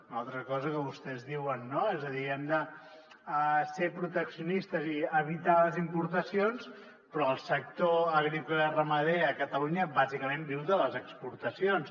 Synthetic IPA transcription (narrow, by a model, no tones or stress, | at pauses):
unalˠt̪ɾəkɔzəkəβust̪ɛzðiwənːoezəðiɛmd̪ə | əsepɾut̪əksiunist̪əziəβit̪aləzimpuɾt̪əsions | pɾɔəlˠsək̚t̪oəɣɾikulərəməðeəkət̪əluɲəbazikəmẽmbiwðələzəkspuɾt̪əsions